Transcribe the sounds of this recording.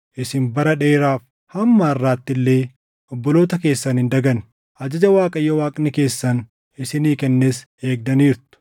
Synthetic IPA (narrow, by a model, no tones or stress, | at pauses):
ʔɪsɪmbɐɾɐᶑeːɾaːf | hɐmːɐːrːaːt̪ːɪlːe̞ː | ɔbːɔlo̞ːt̪ɐke̞ːsːɐnhɪnd̪ɐɡɐn | ʔɐd͡ʒɐd͡ʒɐwaːkʼɐjːɐwaːkʼnɪke̞ːsːɐn | ɪsɪniːkɛnːe̞ːs | e̞ːk̚d̪ɐniːɾt̪ʊ̥